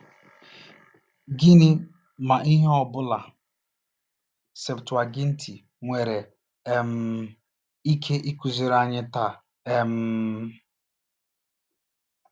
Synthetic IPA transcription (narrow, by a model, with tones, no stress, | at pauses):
ɡi˦nɪ˦ | ma˨ʔi˦ɦe˦ɔ˨bʊ˦la˨ | se˨ptʊ˨a˨ɡi˦n̩˦tʰi˨ | ŋʷe˨ɾe˨ | e˨m̩˨ | i˦kʰe˦ʔi˦ku˨zi˨ɾa˨ɲɪ˦ta˨ | e˨m̩˨